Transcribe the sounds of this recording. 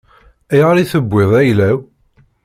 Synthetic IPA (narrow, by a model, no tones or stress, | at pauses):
æjʁəɾiθəbʷːɪðˤæjlæw